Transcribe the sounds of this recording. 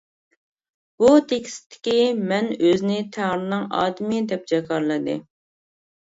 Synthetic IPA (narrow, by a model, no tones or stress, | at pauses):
b̥ut̪ʰekʲi̥sɪ̥t̪ʰːɪ̥kʲimɛnøzɪnɪt̪ʰæŋɾɨnɨŋɑ̰ːd̪ɪmɪd̪ɛp̚d͡ʒɛkʰɑɾlˠɨd̪ɨ̰